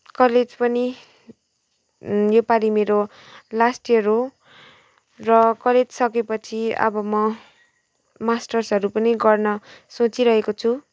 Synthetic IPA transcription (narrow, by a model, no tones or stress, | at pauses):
kʌled͡zpʌni | jopalimeɾo | lasʈiʌɾo | rʌkʌled͡zsʌkepʌt͡sʰiʌ̰bʌmʌ | masʈʌrsɦʌɾupʌniɡʌrnʌsot͡siɾʌɦekot͡sʰu